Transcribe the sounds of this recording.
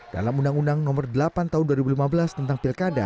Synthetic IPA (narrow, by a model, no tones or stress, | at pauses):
d̥a̰lamundaŋundaŋnɔmɔrdəlapant̪aɦunduaɾibulimabəlast̪ənt̪aŋpilkada̰